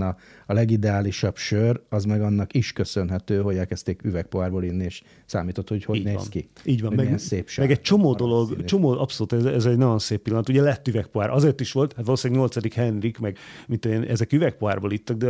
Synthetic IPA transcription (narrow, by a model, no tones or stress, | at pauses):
nɒ | ɒlɛɡid̪ɛaːliʃɒbʃørɒzmɛɡɒnːɒkiʃkøsønɦɛt̪øːɦo̞ɟɛlkɛst̪eːkyvɛk̚poaːrboːlinːieːʃ | saːmiːt̪o̞t̪hochoɟnḛːsnkiiːɟʋɒmmɛseːpʃmɛɡɛct͡ʃo̞moːd̪o̞lo̞ɡt͡ʃo̞moːʔɒpso̞luːt̪ɛzɛzɛɟnɒɟo̞nseːpːilːɒnɒt̪uɟɛlɛt̪ːyvɛkpoaːɾʔɒzeːrt̪iʃʋo̞lt̪hat̪ʋɒloːsaːɡɲo̞lt̪sɒd̪ikhɛnrikmɛɡmint̪eːnɛzɛkyvɛk̚poɦaːrboːlit̪ːɒɡ̚d̪ɛ